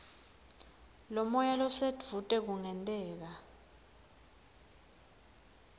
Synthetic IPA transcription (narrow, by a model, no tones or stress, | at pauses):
lɔmɔjalɔsed̥ʱvutʼɛk̬uŋɛntʼɛːk̬a